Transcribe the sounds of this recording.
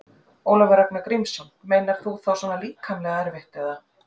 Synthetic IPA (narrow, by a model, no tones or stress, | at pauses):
owlɔvaɾɛknʏkɾimsɔnmeːjnaɾ̥θuθawsɔːnaliːkʰamlɛɣaɛɾvɛht̪ɛða